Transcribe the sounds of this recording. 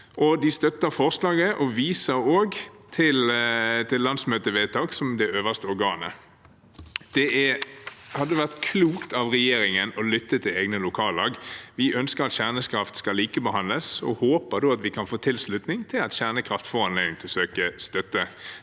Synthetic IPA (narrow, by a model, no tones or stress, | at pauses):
ʔɔd̪ɪst̪œt̪ːəʁfɔʁslɑːɡəʔɔʋiːsəɾoːɡ | t̪ʰɪlt̪ʰɪllːɑnd̪smøːt̪əʋeːt̪ʰɑːksɔmd̪ɛøːʋəst̪əɔɾɡɑːnə̰ | d̪̥ɛæhɑd̪ːəʋæʁt̪kʰluːkt̪ɑʋʁɛjeːɾɪŋənɔlʏt̪ːət̪ʰɪleːɡnəlʊkʰɑːlɑːɡʋɪʔœnskəɾɑt̪ɕæʁnəskʰɾɑft̪skɑliːkəbəɦɑnləsɔ̰hoːpəd̪oːɑt̪ʋɪkʰɑnfoːt̪ʰɪlslʉt̪nɪŋt̪ʰɪlɑt̪ɕæʁnəkʰʁɑft̪fɔʁɑnlɛɪŋt̪ʰɪlsøːkəst̪œt̪ːə